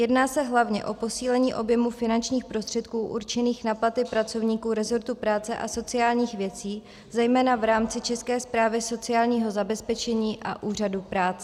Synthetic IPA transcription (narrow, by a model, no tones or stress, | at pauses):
jɛdnaːsɛɦlavɲɛ̰ʔo̞po̞siːlɛɲiːʔo̞bjɛmufɪnant͡ʃɲiːxpɾost̪r̥ɛt̪kuːʔṵɾt͡ʃɛniːxnaplat̪ɪpɾat͡so̞vɲiːkuːɾɛzo̞ɾt̪upɾaːt͡sɛʔa̰so̞t͡sɪaːlɲiːxvjɛt͡siː | zɛjmɛːnavɾaːmt͡sɪt͡ʃɛskɛːspɾaːvɪso̞t͡sɪaːlɲiːɦo̞zabɛspɛt͡ʃɛɲiːʔa̰ʔuːr̝adupɾaːt͡sɛ